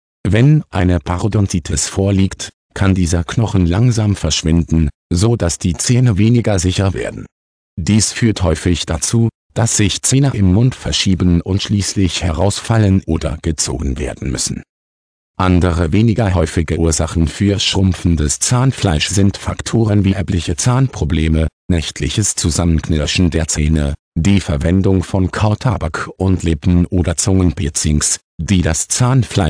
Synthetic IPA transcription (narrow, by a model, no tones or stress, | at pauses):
vɛnʔa̰ɪnəpʰaʁodɔntitʰɛsfoːɐliːkt | kʰandiːzɐkʰnɔχn̩laŋzaːmfɛɐʃv̥ɪndn̩zoːd̥asd̥iːt͡sɛːnəveːnɪɡɐzɪçɐvḛːɐdn̩ | d̥iːsfyːɐthɔʏfɪçd̥at͡suː | d̥asz̥ɪçt͡seːnəʔɪmːʊntfɛɐʃiːbən̩ʊntʃliːslɪçhɛʁaʊsfalənʔoːdɐ̰ɡ̥ət͡so̰ːɡn̩vḛːɐdn̩mʏ̰sn̩ | ʔandəʁəveːnɪɡɐɦɔʏfɪɡəʔuːɐzaχn̩fyːɐʃʁ̥ʊmfn̩dəst͡saːnflaɪʃz̥ɪntfaktʰoːʁənviːʔɛɐplɪçət͡saːnpʁ̥obleːmənɛçtʰlɪ̰çəst͡suzamənknɛʃn̩deːɐt͡seːnə | diːfɛɐvɛndʊŋfɔnkʰaʊtʰabakʔʊntʰlɪpn̩ʔoːdɐt͡sʊŋənpʰeːt͡sɪŋs | d̥iːdast͡saːnflaɪ